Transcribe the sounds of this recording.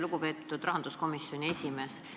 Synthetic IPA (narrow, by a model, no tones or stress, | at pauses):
luɡ̥upe̞ːt̪ːˑud̪rɑɦɑnd̪̥usko̞misjo̞nʲie̞sʲime̞ːs